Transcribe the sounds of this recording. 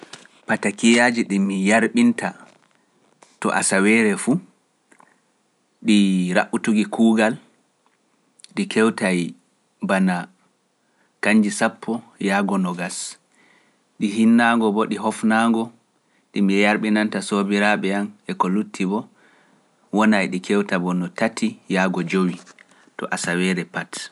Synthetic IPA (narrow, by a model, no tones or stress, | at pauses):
patakijad͡ʒiɗimijaɾɓinta | tɔ̰ʔa̰sawɛːɾɛfu | ɗiɾaʔutuɡikʰuːɡal | ɗikʰɛwtaj | bana | kaɲd͡ʒisapʰːɔjaɡɔnɔɡas | ɗiɦinːaŋɡɔbɔɗiɦɔfnaŋɡɔ | ɗimiɛjaɾɓinantasobiɾaɓɛanɛkɔlutʰːibɔ | wɔnajɗikʰɛwtabɔnɔtatʰijaːɡɔd͡ʒowi | tɔ̰ʔasawɛɾɛpat